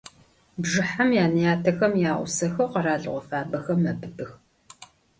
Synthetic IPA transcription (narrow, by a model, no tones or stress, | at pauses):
bʒɨħamjaːnɨjaːtʰɐxɐmjaːʔʷʊ̰sɐxɐwqɐɾaːɮɨ̰ʁʷɔfaːbɐxɐmɐbɨbɨx